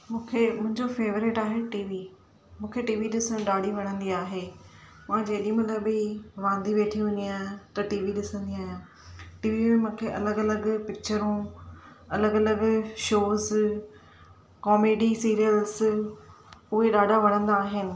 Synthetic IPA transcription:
mũːkʰemʊ̃ɦɪ̃ɲd͡ʑofeːʋəɾɪʈaːɦeʈiːʋi | mũːkʰeʈiːʋiɗɪsəɽ̃ɗaːɖʱiʋɐɽ̃ə̃nd̪iaːɦe | mãːd͡ʑeːɗiĩmɐ̃ləbiʋãːnd̪iʋeːʈʰiɦʊ̃niaːɦt̪ɐʈiːʋiɗɪsə̃nd̪iaːɦjãː | ʈiːʋiẽmũːkʰeʔɐləɡɐləɡpɪk̚t͡ɕəɾũ | ɐləɡɐləɡʃoːz | kɔːmeːɖisiːɾijəlz | ʊɦeɗaːɖʱaʋɐɽ̃ə̃nd̪aːɦɪnɪ̆

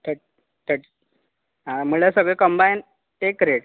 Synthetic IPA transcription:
t̪ʰə | t̪ʰəʈ | ɦaməlasəɡɭekəmbajn | ekɾeɽ

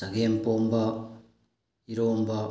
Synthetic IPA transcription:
aɡempomba | iɾoːmba

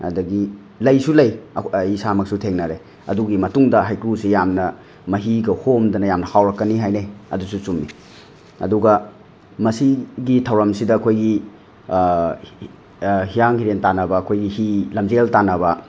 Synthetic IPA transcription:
ɐ̰dɐɡi | lɐjsulɐjisamɐk̚sutʰeŋnɐɾe | ɐ̰duɡimɐtuŋdɐɦajkɾusijamnɐ | mɐɦiɡɐhomdɐnɐjamnɐhawɾɐkːɐniɦajneɐ̰dusut͡ʃumːi | ɐ̰duɡɐ | mɐsiɡitʰɐwɾɐmsidɐːkʰojɡi | hijaŋhiɾentanɐbɐːkʰojɡihilɐmd͡ʒeltanɐbɐ

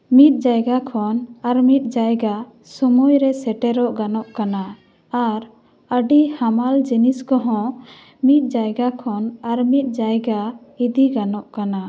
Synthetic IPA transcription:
mit̪̚ˀd͡ʒajɡakʰɔnaɾmit̪̚ˀd͡ʒajɡa | sɔmujɾɛsɛʈɛɾɔʔɡanɔʔkanaː | ɾ | əɖihamald͡ʒiniskɔɦɔ̃ | mit̪̚ˀd͡ʒajɡakʰɔnaɾmit̪̚ˀd͡ʒajɡa | id̪iɡanɔʔkana

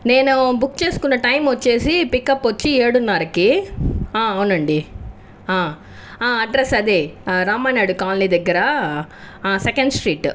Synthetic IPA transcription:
neːnubʊkːt͡ʃeːskɔnːɐʈɐɪmɔt͡ʃːeːsipikːɐpːɔt͡ʃːieːɽunːaːɾɐkːiãːɐʋnɐɳɖi | ãː | ãːɐɖɾesɐd̪eɾaːmaːnaːɽɯkaːnlid̪ɐɡːɐɾaː | sɛkɐɳɖsʈɾiːʈː

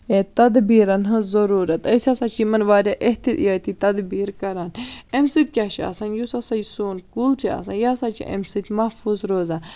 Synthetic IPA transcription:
et̪ɐd̪biːɾɐnɦɨzɐɾuːɾɐt̪əsʲasat͡ʃʰimɐnʋaːɾʲaʔeɦt̪ijaːt̪it̪ɐd̪biːɾkɐɾaːnemsɨt̪̚ʲkʲaʃḭɐ̰sɐnjusɐsɐjsoːnkult͡ʃʰiɐ̰sa̰njaːsat͡ʃʰḭʔɐ̰msɨt̪ʲmɐhfuːzɾoːzaː

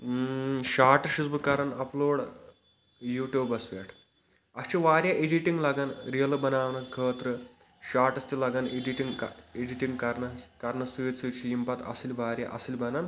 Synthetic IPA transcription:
ʃaːʈɐʃusbɨkaɾɐnɐploːɽ | juːʈjuːbɐsʋḛːʈʰ | ɐst͡ʃʰiʋaːɾjaʔeɖiʈiŋɡlaɡanɾijɐlɐbɐnaːʋnɐkʰəːt̪ɾɨ | ʃaːʈɐst͡ʃilaɡaneɖiʈiŋɡeɖiʈiŋɡkɐɾnɐkɐɾnɐsɨːt͡sɨt͡ʃʰijimpɐt̪ɐ̰silʲʋaːɾja̰ʔɐ̰silʲbɐnan

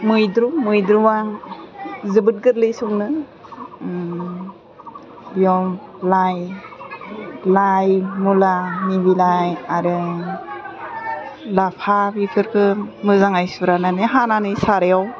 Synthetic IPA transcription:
mɯjdɾumɯjdɾuwaŋ | zɯbɯt̚ɡɯɾlɯjsɔŋnɯ | bijɔmlaj | lajmulanibilajaɾɯ | lapʰabikʰɯɾkʰɯmɯzaŋajsuɾananɯɦananɯjsaɾejaw

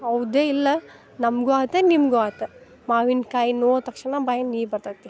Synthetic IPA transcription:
ɐʋd̪eːilːɐ | nɐmɡuaːt̪enimɡuaːt̪e | maːʋinkaːjinoːt̪ɐkʂnɐbaːjɐniːbɐɾt̪at̪ːi

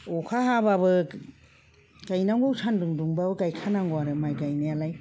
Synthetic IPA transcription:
ɔkʰaɦababɯ | ɡ̥ajnaŋɡowsʰandɯŋduŋbabɯɡajkʰanaŋɡɔaɾɯmajɡajnealaj

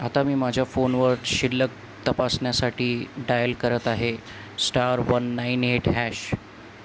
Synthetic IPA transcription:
at̪amiːmad͡ʑʱjafonʋəɾɖɕilːək̚ | t̪əpasɳjasaʈiːɖajəlkəɾət̪aɦe | sʈaɾʋənːaineʈɦæɕ

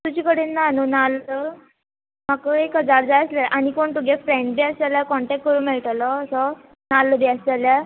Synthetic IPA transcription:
t̪ud͡ʑikəɽinnːanonalɔ | makəekəd͡zaɾd͡zajəslɛʔañikoɳʈ̪uɡefɾẽɳɖbiəsaljakɔɳʈɛk̚ʈ̚kəɾũːnmeɭʈalɔsɔ | nalːəbiəsalja

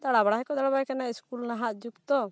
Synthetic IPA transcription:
d̪aɽabaɽaɦɛkɔd̪aɽabakanaskulnaɦaʔd͡ʒukt̪ɔ

